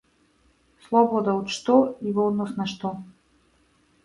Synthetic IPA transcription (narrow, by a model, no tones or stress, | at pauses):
slˠɔbɔd̪aot̪ʃt̪ɔivɔd̪nɔsnaʃt̪ɔ